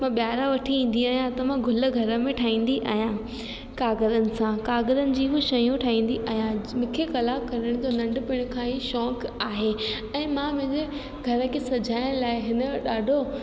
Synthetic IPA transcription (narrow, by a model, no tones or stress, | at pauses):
mãɓjaːɾaʋɐʈʰiĩːn̆d̪iaːɦjãt̪ɐʋ̤ãɡʱʊlə̆ɡʱɐɾə̆mẽʈʰaːĩːn̆d̪iʔa̰ːɦjã | kaːɡəzənɪ̆sãkaːɡəɾənɪ̆d͡ʑiːɦʊʃɐjũʈʰaːĩːn̆d̪iʔaːɦijãmʊ̃kʰexɐlaːkɐɾɪɽ̃d͡ʑonɐ̃ɳɖʊ̆pɪɽ̃ʊ̆kʰãɦiʃɔːkaːɦe | ɛ̃ːmãmʊ̃ɦɪ̃d͡ʑe | ɡʱɐɾə̆kʰesɐd͡ʑʱaːɪɽ̃laːɪɦɪnəɗaːɖʱo